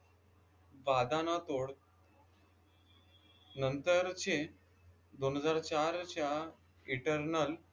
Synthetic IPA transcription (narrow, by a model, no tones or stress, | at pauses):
ʋad̪anat̪oɽ | nənt̪əɾt͡ɕe | d̪onɦəd͡zaɾt͡ɕaɾt͡ɕja | iʈəɾnəl